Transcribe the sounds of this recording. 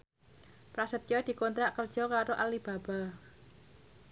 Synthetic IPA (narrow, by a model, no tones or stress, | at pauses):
pɾasət̪̚jɔd̪̥i̤kont̪ɾaʔkərd̥ʒ̥ɔkaɾoʔalib̥a̤ba